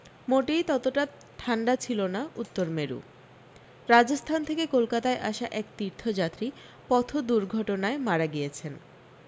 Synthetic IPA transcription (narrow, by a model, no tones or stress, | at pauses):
moʈijt̪ɔt̪oʈa | ʈʰaɳɖat͡ɕʰilonaut̪ːoɾmeɾṵ | ɾad͡ʑost̪ʰant̪ʰekekolkat̪aeʔaʃaʔɛkt̪iɾt̪ʰːod͡ʑat̪ːɾi | pɔt̪ʰod̪uɾɡʱɔʈonaemaɾaɡijet͡ɕʰen